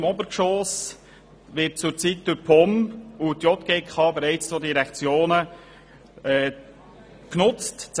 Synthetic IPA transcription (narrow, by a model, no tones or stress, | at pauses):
mɔbəɾkʃoːs | ʋɪt̚t͡sʊɾt͡sitd̥ʊɾpʰɔmutjɔt̪ɡ̥eːkχɑːbɛɾɛɪt͡st͡sodiɾɛkt͡sjoːnə | ɛː | knʊt͡stt͡s